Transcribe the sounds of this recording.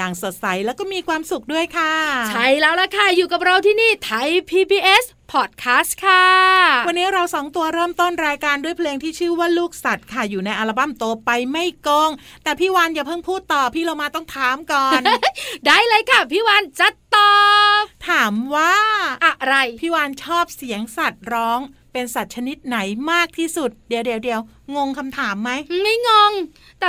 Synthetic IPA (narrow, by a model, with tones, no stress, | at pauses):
jaː˨˩ŋso˨˩t̪̚sa˩˦jlɛː˦˥wkɔː˥˩miː˧kʰwaː˧msu˨˩k̚du˥˩əjkʰa˥˩t͡ɕʰa˥˩jlɛː˦˥wla˧˥kʰa˥˩juː˨˩ka˨˩p̚ɾa˧wt̪ʰiː˥˩niː˥˩t̪ʰa˧˥jpʰiː˧biː˧ʔe˦˥s | pʰɔː˨˩t̪̚kʰaː˦˥st̪kʰa˥˩wa˧nːiː˦˥ɾa˧wsɔː˩˦ŋt̪u˧ɐɾɤː˥˩mt̪o˥˩nɾaː˧jkaː˧ndu˥˩əjpʰleː˧ŋt̪ʰiː˥˩t͡ɕʰɯː˥˩waː˥˩luː˥˩k̚sa˨˩t̪̚kʰa˥˩juː˨˩na˧jʔa˧la˧ba˥˩mt̪oː˧pa˧jma˥˩jko˧ŋt̪ɛː˨˩pʰiː˥˩waː˧njaː˨˩pʰɤ˥˩ŋpʰuː˥˩t̪ːɔː˨˩pʰiː˥˩lo˧wmaː˧t̪ɔ˥˩ŋt̪ʰaː˨˦mkɔː˨˩ndaː˥˩jlɤː˧jkʰa˥˩pʰiː˥˩waː˧nt͡ɕa˨˧˩t̪ːɔː˧˩pt̪ʰaː˩˦mwaː˥˩ʔa˨˩ɾa˧jpʰiː˥˩waː˧nt͡ɕʰɔː˥˩p̚si˩˦əŋsa˨˩t̪̚ɾɔː˦˥ŋ | pe˧nsa˨˩t̪̚t͡ɕʰa˧ni˦˥t̪̚na˩˦jmaː˥˩k̚t̪ʰiː˥˩su˨˩t̪̚di˨˩əwdi˧˩əwdi˧əw | ŋo˧ŋkʰa˧mt̪ʰaː˩˦mːa˦˥jma˥˩jŋo˧ŋ | t̪ɛ˨˩